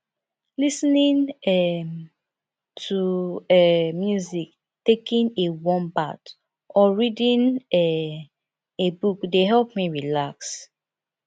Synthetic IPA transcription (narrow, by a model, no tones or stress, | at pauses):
lisnĩnɛm | tʰuɛmjuzik | tekĩnewɔ̃mbat | ʔɔɹidĩnɛ | ebukdeɦɛlp̚miɹilaks